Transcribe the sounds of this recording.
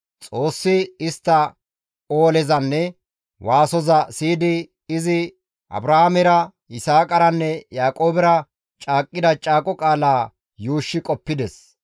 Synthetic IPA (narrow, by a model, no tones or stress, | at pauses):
t͡sʼo̞ːsːɪɪst̪ːɐ | oːlɛzɐnːɛ | waːsɔzɐsiːd̪ɪ | ɪzɪ | ʔɐ̰bɾɐhamɛɾɐ | ɪsaːkʼɐɾɐnːɛjaːkʼo̞ːbɛɾɐ | t͡ʃʼaːkʼːɪd̪ɐt͡ʃʼaːkʼɔkʼaːlaː | juːʃːɪkʼɔpːɪd̪ɛs